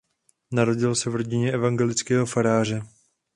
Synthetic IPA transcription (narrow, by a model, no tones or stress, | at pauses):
naɾo̞ɟɪlsɛvɾo̞ɟɪɲɛʔɛvaŋɡɛlɪt͡skɛːɦo̞faɾaːr̝ɛ